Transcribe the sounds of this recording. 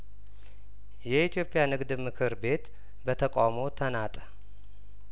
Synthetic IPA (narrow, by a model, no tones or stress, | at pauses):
jɛit̪ʰijo̞pʼɪjanɨɡd̪ɨmɨkʰɨɾbe̞t̪ | bət̪ʰəkʼamo̞t̪ʰənat̪ʼə̥